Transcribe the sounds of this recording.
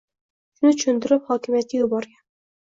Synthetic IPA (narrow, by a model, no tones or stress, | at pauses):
ʃʊnɪt͡ʃʰʊʃʊnt̪ɪɾɪphɒkʲɪmijat̪̚kʲajʊbɒɾɡʲan